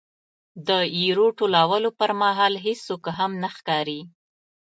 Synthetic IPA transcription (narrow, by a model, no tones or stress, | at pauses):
d̪əiɾoʈolɑwəlopəɾmaɦɑlɦesokɦamnaxkɑɾi